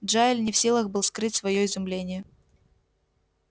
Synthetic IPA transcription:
dʐaɪlʲnʲɪfsʲilˠəɣbɨlˠskɾɨtʲsvɐjoɪzʊmlʲenʲɪjə

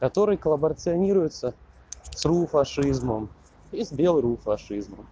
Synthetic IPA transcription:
kɐt̪o̞ɾɨjkəlˠəbəɾət̪sɨɐnʲiɾʊjɪt̪sə | srufɐʂɨzməm | isbʲelˠɾufɐʂɨzmə̰m

